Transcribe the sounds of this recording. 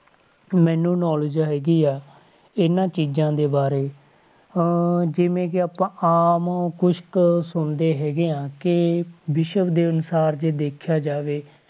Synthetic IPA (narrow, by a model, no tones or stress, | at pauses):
mɛ̃ːnũːnɔːləd͡ʒɦɛːɡiːɛː | ɪnãːt͡ʃiːd͡ʒãːd̪eːbaːɾeː | d͡ʒɪʋẽːk̬ɪaːpãːʔaːmkʊʃksʊɳd̪eːɦɛːɡeːãːkɪbɪʃəbd̪eːənʊsaːɾd͡ʒeːd̪eːkʰjaːd͡ʒaːʋeː